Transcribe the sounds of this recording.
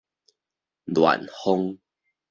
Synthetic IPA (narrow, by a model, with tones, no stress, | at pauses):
lwa̰˨nho˦ŋ